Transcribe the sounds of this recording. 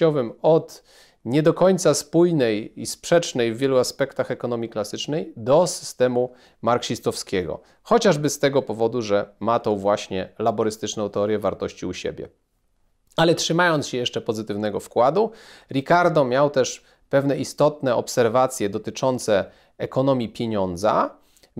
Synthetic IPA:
ɔvɘmɔt̪ | ɲɛd̪ɔkɔɲt̪saspujnɛjispʂɛt͡ʂnɛjvʲːjɛluaspɛkt̪axɛkɔnɔmʲiklasɘt͡ʂnɛjd̪ɔsɘ̥st̪ɛmu | maɾkɕist̪ɔfskʲeɡɔ̰ | xɔt͡ɕaʐbɘst̪ɛɡɔpɔvɔd̪uʐɛmat̪ɔ̃w̃vwaɕɲɛlabɔɾɘst̪ɘt͡ʂnɔ̃w̃t̪ɛɔɾjɛvaɾt̪ɔɕt͡ɕiuɕḛbʲjɛ̰ | alɛtʂɘmajɔnt̪sɕɛjɛʂt͡ʂɛpɔzɘt̪ɘvnɛɡɔfkwad̪uɾʲikaɾd̪ɔmʲjawt̪ɛʂ | pɛvn̪ɛʔist̪ɔt̪nɛɔpsɛɾvat̪sʲjɛd̪ɔt̪ɘt͡ʂɔnt̪sɛ | ɛkɔnɔmʲjipʲjeɲɔnd̪za̰

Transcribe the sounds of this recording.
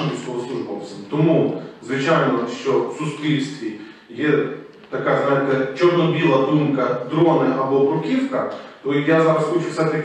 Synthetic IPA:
isʲkɔɦɔsluʒpɔpsʲɪmt̪ɔmuzʋɪt͡ʃajnɔʃt͡ʃɔ̥sʊspʲɾʲilʲst̪ʋʲi | jɛ | t̪ɐkazʋanʲkɐt͡ʃornɔbʲilˠɐd̪umkɐd̪ɾonɪʔɐbɔpɾʊkʲifkɐt̪oijazaɾɐsxot͡ʃʊfsat̪ɐ

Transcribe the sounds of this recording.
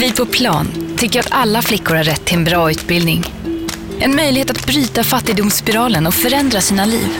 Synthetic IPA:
vɪpʰɔpʰlɑ̰ːnt̪ʰʏkːəɾat̪alːaflɪkːʊɾhaɾːɛt̪ʰːɪlɛnbɾɑːʉ̟ːt̪̚bɪld̪nɪŋ | ʔɛnmœjlɪɡheːt̪at̪̚bɾyːt̪afat̪ːɪɡ̚d̪ʊmspɪɾɑːlənɔfœɾɛnd̪ɾasiːnalḭːv

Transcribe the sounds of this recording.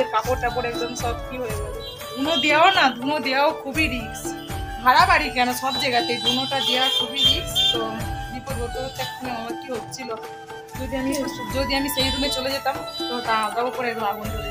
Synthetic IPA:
eɾpakoɾʈapɔɾɛk̚d͡ʒɔnsɔbkiɦojeba | d̪ʱunod̪ijaonad̪ʱunod̪ijaokʰubiɾiɡs | bʱaɾabaɽikɛnosɔbd͡ʒaɡat̪ejd̪ʱunoʈad̪ijaokʰubiɾiɡst̪obipoɾbot̪ot̪ɛk̚tʰuneɔnot̪kiɦot̪ːt͡ʃʰilo | d͡ʒod̪iamid͡ʒod̪iamisejɾumet͡ɕoled͡ʑet̪amt̪ɔt̪ad̪ɔupɔɾeɾumabɔnk̪ɔɾe

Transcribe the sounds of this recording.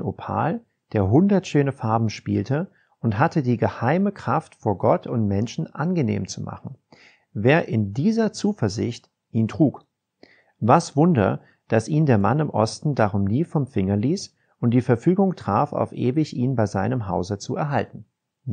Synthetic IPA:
nopʰa̰ːl | d̥eːɐɦʊndɐtʃøːnəfaɐbm̩ʃpḭːltə | ʔʊnthatʰədiːɡəhaɪməkʁ̥aftfoːɐɡɔtʰʊntmɛnʃn̩ʔanɡənḛːmt͡sumʔa̰χn̩ | veːɐʔɪndiːzɐt͡suːfɛɐzɪ̰çt | ʔiːntʁ̥uːk | vasv̥ʊndɐ̰ | d̥asʔiːndeːɐma̰nɪmʔɔ̰stn̩daʁʊmniːfɔmfɪŋɐliːs | ʊnt̚d̥iːfɛɐfyːɡʊŋtʁ̥aːfa̰ʊfʔeːvɪçʔiːnbaɪzaɪnəmɦaʊzət͡suɛɐɦaltn̩

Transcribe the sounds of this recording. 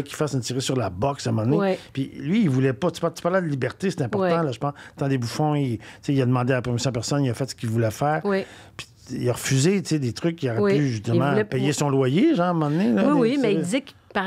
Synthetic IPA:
ɛkʲi̥fasənt̪iʁesyʁlabɔksamɑ̃d̪ənepilɥiːvulɛpɔt̪y̥pat̪y̥paʁlɛ̃d̪əlibɛʁt̪ese̥t̪ɛ̃pɔʁt̪ãlɔʒəpɑ̃st̪ãd̪ebufɔ̃it͡seilad̪əmɑ̃d̪ealpʁɛmisjɔ̃d̪pɛʁsɔnilafɛt̪sə̥kʲilvulɛfɛːʁwwi | pi̥ | ilaʁəfyzet͡sed̪et̪ʁʏkːiɔʁɛyʒyst̪əmãɛpɛjesɔ̃lwajeʒɑ̃ːəmɑ̃d̪ənelɔwimɛiizɛk | pa

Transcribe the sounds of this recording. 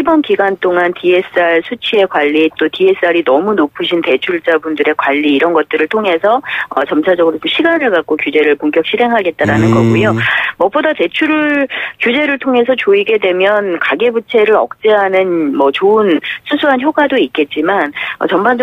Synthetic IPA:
ibʌnkiɡant͈ʰoŋantie̞s͈ɯaɭsʰut͡ɕʰie̞kwaʎːit͈otie̞s͈ɯaɾinʌmunopʰɯɕʰinte̞t͡ɕʰuɭt͡ɕ͈abundɯɾe̞kwaʎːiːɾʌnɡʌt̚t͈ɯɾɯɭtʰoŋɦe̞sʰʌʌ̰t͡ɕʌmt͡ɕʰad͡ʑʌɡɯɾot͡ɕomɕʰiɡanɯɭɡak̚k͈okjud͡ʑe̞ɾɯɭpoŋk͈ʰjʌk̚ɕʰiɾɦe̞ŋɦaɡe̞t̚t͈aɾanɯnɡʌɡujomʌp͈odate̞t͡ɕʰuɾɯɭkjud͡ʑe̞ɾɯɭtʰoŋe̞sʰʌt͡ɕoiɡe̞dwe̞mjʌnkaɡebut͡ɕʰe̞ɾɯɾʌ̰k̚t͡ɕ͈eɦanɯnmʌt͡ɕoɯnsʰusʰuɦançjoɡwadoik͈e̞t̚t͡ɕ͈imanʌ̰t͡ɕʌmband͡ʑ

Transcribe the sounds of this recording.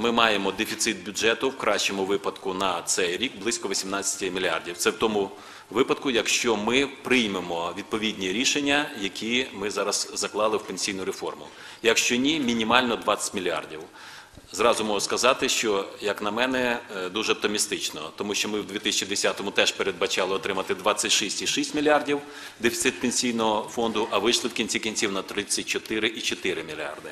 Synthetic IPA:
mɪmɑjemɔd̪efʲit̪sɪt̪̚bʲʊʒɛt̪ʊwkɾʔɑʃt͡ʃemʊʋɪpɐd̪kʊnɐt̪sɛjɾʲikblˠɪsʲkɔʋɔsʲimnɑt͡sʲːɐ̥tʲɪmʲilʲiɑ̰rdʲiwt̪sɛwt̪ɔmʊ | ʋɪpɐd̪̚kʊjɐkʃt͡ʃɔmɪpɾɪjmemɔʋʲid̪̚pɔʋʲidʲnʲiɾʲiʃenʲːɐjɐkʲʰimɪzɑɾɐz̥zɐklˠɑlˠɪwpenʲsʲijnʊɾefɔrmʊ̰ | jɐkʃt͡ʃɔnʲimʲinʲimɑlʲnɔd̪ʋɑt͡sʲːɐ̥tʲmʲilʲiɑ̰rdʲiw | zɾɑzʊmɔɦʊskɐzɑt̪ɪʃt͡ʃɔjɐknɐmɛnɛd̪uʒɛɔp̚t̪ɔmʲist̪ɪt͡ʃnɔ̰t̪ɔmuʃt͡ʃɔmɪwd̪ʲʋʲit̪ɪsʲt͡ʃid̪esʲɑt̪ɔmʊt̪ɛʃpeɾed̪bɐt͡ʃɑlˠɪɔt̪ɾɪmɐt̪ɪd̪ʋɑt͡ssʲːɐtʲʃisʲtʲiʃisʲtʲmʲilʲiɑrdʲiw | d̪efʲi̥t̪sɪt̪̚penʲsʲijnɔɦɔfɔnd̪ʊʔɐʋɪʃlˠɪwkʲinʲt͡sʲikʲinʲt͡sʲiwnɐt̪ɾɪsʲɐt̚ʲt͡ʃɔt̪ɪɾɪʔit͡ʃɔt̪ɪɾɪmʲilʲɑ̰rd̪ɪ

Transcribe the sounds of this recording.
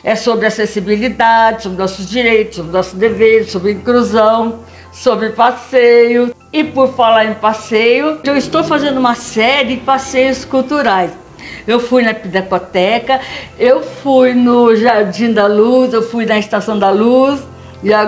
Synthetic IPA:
ɛsobɾɪasesibilid̪ad͡ʒɪsobɾɪnɔsʊzd͡ʒiɾejt̪ʊsobɾɪnɔsʊd̪eveɾʊsobɾɪĩkluzɐ̃w̃ | sobɾɪpasejʊ | ɪpʊɾfalaɾẽpasejʊewɪst̪owfazẽnd̪ʊũmɐsɛɾɪpasejʊskut̪uɾajs | ewfujnɐpid̪ɛkot̪ɛkɐewfujnʊʒaɾd͡ʒĩd̪ɐluzewfujnɐɪst̪asɐ̃w̃d̪ɐlus | ɪa

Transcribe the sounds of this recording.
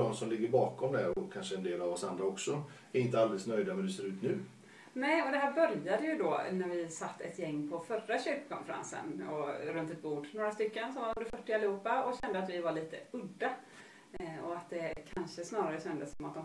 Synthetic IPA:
ɔmsɔmlɪɡːəɾbɑːkɔmd̪ɛɾɔkʰanʂəɛnd̪eːlavɔsand̪ɾaɔksɔ | ɛɾɪnt̪əald̪ɛləsnœjd̪avɛnd̪ɛseːɾʉ̟ːt̪nʉ̟ː | nɛjɔd̪ɛɦæːɾbœɾjad̪əjɵd̪onæɾvɪsat̪ːɛ̰t̪jɛŋːpʰɔfœraɕʏɾkkʰɔnfɛɾa̰nsə̰nɔɾɵnt̪ɛt̪̚buːɖnoːɾast̪ʏkːənsɔmvaɾɵnd̪əɾfœʈːɪalɛhuːpːaɔɕɛnd̪əat̪vɪvaɭiːt̪əɵd̪ːa | ɔat̪̚d̪ɛkʰanʂəsnɑːɾaɾəɕɛnd̪əsɔmat̪̚d̪ɔm

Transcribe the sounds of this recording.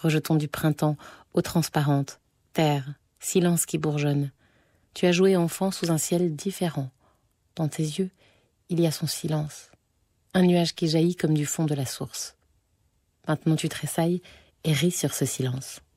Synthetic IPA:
ʁəʒət̪ɔ̃d̪ypχɛ̃t̪ɑ̃ot̪χɑ̃spaʁɑ̃t̪ː | ɛːʁ | silɑ̃skʲibuʁʒɔn | t̪yaʒueɑ̃fɑ̃suzɛ̃sjɛld̪ifeʁɑ̃ | d̪̥ɑ̃t̪ezjø | iliasɔ̃silɑ̃s | ɛ̃nyaʒkʲiʒajikɔmd̪yfɔ̃d̪əlasuʁs | mɛ̃t̪nɑ̃t̪yt̪χesaj | eʁisyʁsəsilɑ̃s

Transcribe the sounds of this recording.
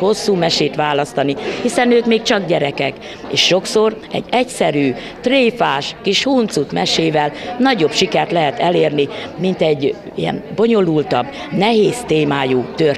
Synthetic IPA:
ho̞sːuːmɛʃeːt̪ʋaːlɒst̪ɒnihisɛnøːkmeːk̚t͡ʃɒɡɟɛɾɛkɛk | eːʃːo̞kso̞r | ɛ̰ɟːɛcsɛɾyː | t̪reːfaːʃkiʃhuːnt̪sut̪mɛʃeːvɛlnɒɟo̞bʃikɛrt̪lɛɦɛt̪ɛleːrnimint̪ɛɟː | ḭjɛ̰nbo̞ɲo̞lult̪ɒb | nɛɦeːst̪eːmaːjuːt̪ør

